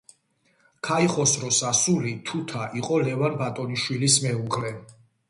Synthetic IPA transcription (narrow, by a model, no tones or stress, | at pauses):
kʰaiχɔsɾɔsasulit̪ʰut̪ʰaʔiqʼɔlɛvanbat̪ʼɔniʃwilismɛuʁɾɛ